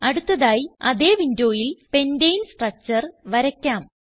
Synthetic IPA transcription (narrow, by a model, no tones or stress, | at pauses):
ɐɽut̪ːɐðaːjiɐðe̞ːʋindo̞ːjilpe̞ndejnsʈrɐt͡ɕːɐrʋɐɾɐkʲːaːm